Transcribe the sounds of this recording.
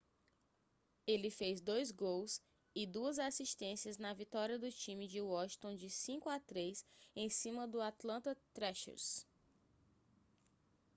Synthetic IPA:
elɪfejzd̪ojzɡows | ɪd̪uɐzasiʃt̪ẽsiɐznɐvit̪ɔɾiɐd̪ʊt͡ʃĩmɪd͡ʒɪwɔʃt̪õd͡ʒɪsĩkʊat̪ɾejsẽj̃sĩmɐd̪ʊat̪lɐ̃nt̪ɐt̪ɾɛʃɛ̰ɾs

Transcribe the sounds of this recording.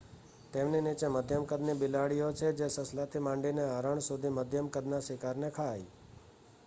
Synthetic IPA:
t̪emninit͡ʃeməd̪ʱjəmkəd̪nibɪlaɽijot͡ʃʰed͡ʒesəslat̪ʰimãɳɖineaɾəɳsud̪ʱiməd̪ʱjəmkəd̪nasekaɾnekʰai

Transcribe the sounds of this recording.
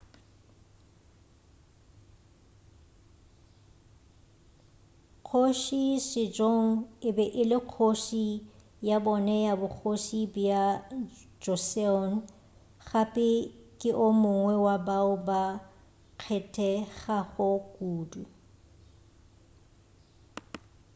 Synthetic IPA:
q͡χʰoʃisɪd͡ʒoŋ̩ɪbɛʔɪlɪq͡χʰoʃi | jabɔnɛjabʊk͡xʰoʃibja | d͡ʒɔsɛɔn̩ | ɣapʼɪkʼɪʔʊmʊŋwɛwabaʊba | kʰɛtʰʼɛɣaɣʊkʼuːdu

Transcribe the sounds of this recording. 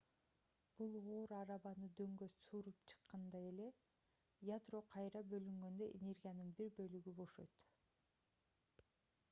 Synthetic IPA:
b̥ulˠoːɾɑɾɑβɑnɯd̪ø̞ŋɡøssuːɾupt͡ʃʰɯ̥qːɑnd̪ɑe̞le̞ | jad̪ro̞qʰɑjɾɑbø̞lyŋɡø̞nd̪ø̞ʔḛnʲe̞rɡʲijanɯnbiɾbø̞lyɡybo̞ʃø̰t̪

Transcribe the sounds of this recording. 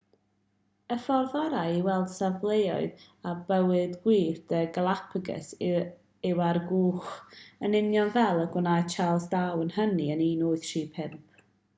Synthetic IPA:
əfɔrðɔɾajiwɛlˠd̥savlˠejɔ̰ɨð | abəwɨdɡwiːrdəɡəlˠapʰəɡɛ̰s | ɪwarɡuːχənɪnjɔnvɛlˠəɡʊnat͡ʃʰalˠsdawənhəniəniːnoːɨðtʰriːpʰɪmp̚ʰ

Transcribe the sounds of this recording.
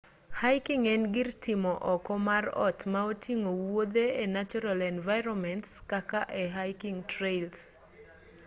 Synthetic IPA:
hajkiŋɛnɡɪrtɪmɔʔɔkɔmarɔ̰tmaotiŋowod̪eenat͡ʃɔɾalɛnvaɪɾɔmɛntskakaʔɛɦajkiŋtɾels

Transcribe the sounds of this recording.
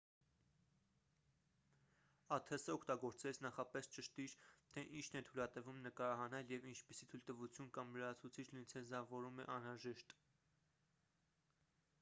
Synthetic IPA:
ɑt̪ʰɛsəɔkʰt̪ɑɡɔɾt͡sɛt͡sʰnɑχɑpɛst͡ʃəʃt̪iɾt̪ʰɛʔint͡ʃʰnɛt̪ʰulɑt̪ɛvumnəkɑɾɑɦɑnɛljɛvint͡ʃʰpisit̪ʰujlt̪əvut͡sʰjunkɑmləɾɑt͡sʰut͡sʰit͡ʃʰlujnt͡sʰɛzɑvɔɾumɛ̰ʔɑnɾɑʒɛʃt̪

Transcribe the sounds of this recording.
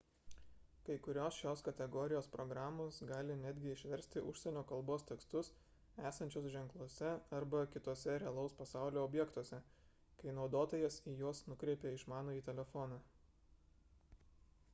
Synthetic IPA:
kɐɪkʊɾʲoːsʃoːskɐt̪ʲɛɡɔːɾʲɪjoːspɾɔːɡɾɑːmoːsɡɑːlʲɪnʲæːd̪ʲɡʲɪɪʃʲʋʲɛɾʲsʲt̪ʲɪʔʊʃʲsʲɛnʲoːkɐlˠboːst̪ʲɛkst̪ʊs | æːsɐnʲt͡ʃʲʊsʒʲɛŋklˠuɔsʲɛɐɾbɐkʲɪt̪oɔsʲɛɾʲɛɐlˠɐʊspɐsɑˑʊlʲoːɔbʲjɛkt̪uɔsʲɛ | kɐɪnɒʊd̪oːt̪ɐjɛsiːjoːsnʊkɾʲɛːpʲeːɪʃmɑːnoːiːt̪ʲɛlʲɛfɔːnɑː

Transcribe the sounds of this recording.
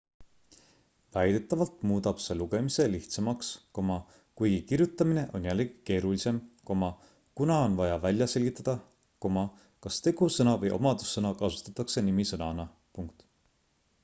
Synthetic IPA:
væjd̪̥e̞t̪ːˑɑvɑlt̪muːd̪ɑb̥se̞luɡ̥e̞mise̞liht̪sɑmɑksko̞mɑ | kujɡikirjut̪ːˑɑmine̞ʔo̞njælːeɡ̥i̥ke̞ːɾulise̞mko̞mɑ | kunɑo̞nvɑjɑvælʲjɑse̞lʲɡit̪ˑːɑd̪̥ɑ | ko̞mɑ | kɑst̪e̞ɡ̥usɤnɑvɤjʔo̞̰mɑd̪̥usːɤnɑkɑsu̥t̪ːˑɑt̪ːˑɑkse̞nimisɤnɑnɑ | puŋk̚t̪

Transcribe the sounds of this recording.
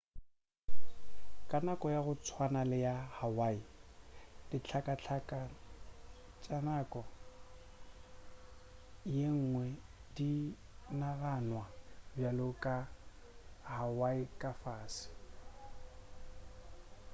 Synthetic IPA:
kʼanakʼɔjaɣʊt͡sʰwanalɪjahawai | d̥ɪt͡ɬʰakʼat͡ɬʰkʼa | t͡ʃʼanakʼɔ | jeŋ̩ŋwɛdi | naɣanwabjalʊkʼa | hawaikʼafaːsɪ̥

